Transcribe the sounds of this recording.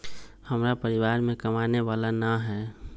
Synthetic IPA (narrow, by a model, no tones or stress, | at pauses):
həmɾapəɾɪʋaːɾmẽkəmaːneʋaːlanaɦɛː